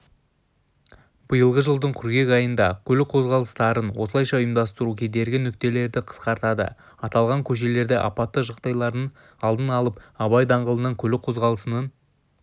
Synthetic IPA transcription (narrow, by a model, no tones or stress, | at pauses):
b̥əjəlˠʁəʒəlˠd̪əɴkʲʰʏɾɡʲe̞kɑjənd̪ɑkʲʰɵlɪk̚qʰo̞zʁɑlˠəst̪ɑɾənwo̞səlˠɑjʃɑʊjəmd̪ɑst̪əɾukʲʰe̞d̪e̞ɾɡʲɪnʏk̚t̪e̞le̞ɾd̪ɪqʰə̥sqɑɾt̪ɑd̪ə̰ | ɑt̪ɑlˠʁɑŋkʲʰɵʃ̬e̞le̞ɾd̪ɪʔɑ̰pɑt̪ːəʒɑqt̪ɑjlˠɑɾd̪ən | ɑlˠd̪ənɑlˠəp̚ɑβɑjd̪ɑɴʁəlˠənɑŋkʲʰɵlɪqʰo̞zʁɑlˠəsənɑn